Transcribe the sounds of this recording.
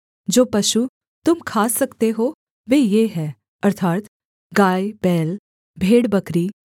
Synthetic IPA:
d͡ʒoːpɐʃu | t̪ʊmkʰaːsɐkt̪eɦo | ʋeːjeːɦɛː | ɐɾt̪ʰaːt̪ | ɡaːjbɛːl | bʱeːɽbɐkɾi

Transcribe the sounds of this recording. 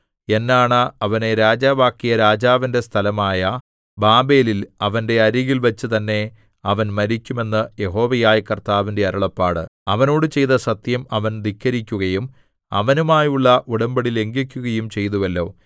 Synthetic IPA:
e̞nːaːɳɨɐʋɐne̞ɾaːd͡ʑaːbaːkːijɐɾaːd͡ʑaːʋinde̞st̪ʰɐlɐmaːjɐ | baːbe̞ːlilɐʋɐnde̞ɐɾiɣilʋɐt͡ɕːɨt̪ɐnːe̞ | ɐʋɐnmɐɾikʲːume̞nːɨje̞ɦo̞ːʋɐjaːjikɐrt̪aːʋinde̞ɐɾɐɭɐpːaːɽɨ̰ɐʋɐno̞ːɽɨt͡ɕe̞jt̪ɐsɐt̪jɐmɐʋɐnd̪ikːɐɾikʲːuɣɐjum | ɐ̰ʋɐnumaːjuɭːɐʔuɽɐmbɐɽile̞ŋɡikʲːuɣɐjumt͡ɕe̞jt̪uʋɐlːo̞̰ː

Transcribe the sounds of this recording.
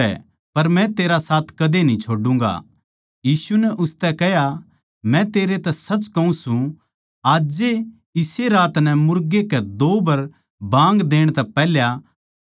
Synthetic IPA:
ɛ̰ | pɐɾmɛ̃t̪eːɾasaːt̪ʰkɐd̪enĩt͡ʃʰoːɖũŋ̆ɡa̰ | jiːsunɛʔʊst̪ɛkɛɦja | mɛ̃t̪eːɾet̪ɛsɐt͡ʃkɐũsũ | aːd͡ʒe | ɪseɾaːt̪nɛ̃mʊɾɡekɛd̪oːbɐɾ | bãːŋɡd̪eːɽ̃t̪ɛpɛːɦlja

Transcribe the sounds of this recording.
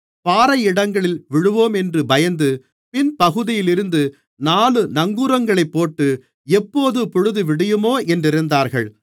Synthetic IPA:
paːɾɐjɪɽɐŋɡɐɭɪlʋɪɻɯʋoːmɛndrɯbɐjɐnd̪ɯ | pɪnpɐɣɯðɪjɪlɪɾɯnd̪ɯ | naːlɯnɐŋɡuːɾɐŋɡɐɭɐɪpːoːʈːɯ | ɛpːoːðɯpɔɻɯðɯʋɪɽɐjɯmoːʔɛndrɪɾɯnd̪aːɾɣɐɭ

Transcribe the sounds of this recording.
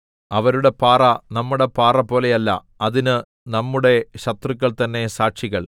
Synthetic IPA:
ɐʋɐɾuɽe̞paːrɐnɐmːuɽe̞paːrɐpːo̞ːle̞jɐlːɐ̰ | ɐðinɨ | nɐmːuɽe̞ɕɐt̪rɨkːɐɭt̪ɐnːe̞saːʈʂiɣɐɭ

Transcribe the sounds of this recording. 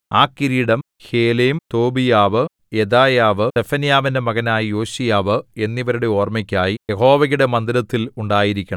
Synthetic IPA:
aːkːiɾiːɽɐm | he̞ːleːmt̪o̞ːbijaːʋɨ | jed̪aːjaːʋɨefɐnjaːʋindemɐɣɐnaːjijo̞ːɕijaːʋɨe̞nːiʋɐɾuɽe̞o̞ːrmikʲːaːjijeɦo̞ːʋɐɣuɽe̞mɐnd̪iɾɐt̪ːiluɳɖaːjiɾikʲːuɐɳɐ

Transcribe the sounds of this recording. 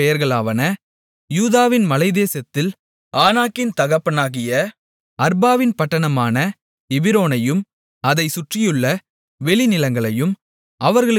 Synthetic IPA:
ɛjɐɾɣɐɭaːʋɐnɐ | juːðaːʋɪnmɐlɐɪðeːsɐt̪ːɪl | aːnaːkːɪnt̪ɐɣɐpːɐnaːɣɪjɐ | ɐɾbaːʋɪnpɐʈːɐɳɐmaːnɐ | ɪʋɪɾoːnɐjɯm | ɐðɐɪsʊʈrɪjɯɭːɐ | ʋɛɭɪnɪlɐŋɡɐɭɐjɯm | ʔɐʋɐɾɣɐɭ

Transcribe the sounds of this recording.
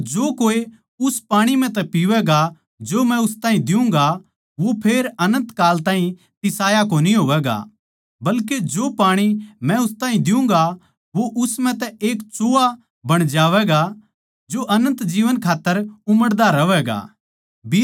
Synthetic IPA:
d͡ʒoːkoːe | ʊspaːɽ̃im̤ɛ̃t̪ɛpiʋɛɡa | d͡ʒomɛ̃ʊst̪aːɦĩd̪ɪũŋ̆ɡa | ʋopʰeːɾɐnə̃nt̪kaːlt̪ãːɦĩ | t̪ɪsaːjak̬oniɦoːʋɛːɡa̰ | bɐlk̬ed͡ʒoːpaːɽ̃imɛ̃ʊst̪aːɦĩd̪ɪ̃ŋɡa | ʋoʔʊsm̤ɛ̃t̪ɛeːkt͡ʃoːa | bɐɽ̃d͡ʒaːʋɛːɡa | d͡ʒoʔɐnə̃nt̪d͡ʒiːʋənkʰaːt̪ːəɾʊməɽd̪aɾɐʋɛːɡa̰ː | bi

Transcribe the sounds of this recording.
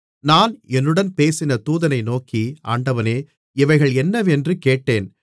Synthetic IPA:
naːnɛnːɯɽɐnpeːsɪnɐt̪uːðɐnɐɪnoːkia̰ːɳɖɐʋɐneː | ɪʋɐɪɣɐɭɛnːɐʋɛndrɯkeːʈːeːn

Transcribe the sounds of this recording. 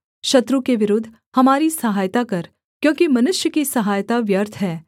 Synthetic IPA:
ʃɐt̪ɾũkeʋɪɾʊd̪ʱː | hɐmaːɾisɐɦaːjt̪akɐɾ | kjõːkimɐnʊʃjəkisɐɦaːjt̪aʋjɐɾt̪ʰɦɛː

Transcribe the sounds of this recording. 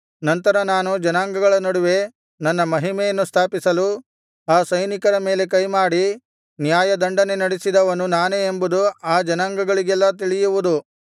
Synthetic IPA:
nɐnt̪ɐɾɐnaːnud͡ʒɐnaːŋɡɐɡɐɭɐnɐɽuʋe̞ | nɐnːɐmɐɦimejɐnːust̪ʰaːpisɐlu | aːsɐjnikɐɾɐme̞ːle̞k̬ɐjmaːɽi | njaːjɐd̪ɐɳɖɐne̞nɐɽisid̪ɐʋɐnunaːneːmbud̪uaːd͡ʒɐnaːŋɡɐɡɐɭiɡɛlːɐt̪̬iɭijuʋud̪u

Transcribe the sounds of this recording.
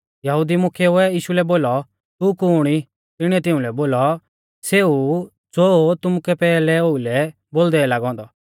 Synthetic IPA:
jɐɦʊd̪imʊkʰɛʊɛiːʃulɛboːlɔ | t̪ukuːɽ̃i | t̪ɪɽ̃iɛt̪ɪʊ̃lɛboːlɔ | seu | d͡zoːt̪ʊmukɛpɛːlɛoːilɛ | boːld̪ɛlaːɡɔ̃ːnd̪ɔ

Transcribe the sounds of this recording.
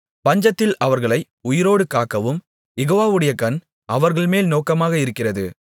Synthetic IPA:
pɐɲd͡ʒɐt̪ːɪlɐʋɐɾɣɐɭɐɪ | ʊjɪɾoːɽɯkaːkːɐʋɯm | jɛɣoːʋaːʋɯɽɐjɐkɐn | ʔɐʋɐɾɣɐɭmeːlnoːkɐmaːɣɐɪɾɯkːɪrɐðɯ

